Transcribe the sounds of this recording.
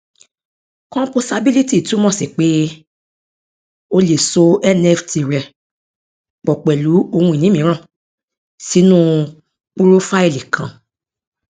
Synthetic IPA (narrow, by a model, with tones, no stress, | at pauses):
kɔ̃˦po˧sa˧bi˦li˦ti˦˨tũ˨˦mɔ̃˦˨si˨k͡pe˦ | o˧le˨so˧˦ɛ˦nɛ˦fti˧˨ɾɛ˨ | k͡pɔ˨k͡pɛ˨lu˨˦o˧hũ˧˨nĩ˨˦mĩ˨˦ɾ̃ã˦˨ | si˨˦nũ˦ | k͡pu˦ɾo˦fa˦i˦˨li˨kʰã˨